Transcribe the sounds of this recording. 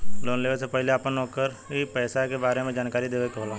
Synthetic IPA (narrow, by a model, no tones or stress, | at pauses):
loːnleːʋəsepɛɦɪleaːpənɔːkəɾ | ɦipɛːsakebaːɾemẽd͡ʒaːnkaːɾid̪eːʋekɦoːlãː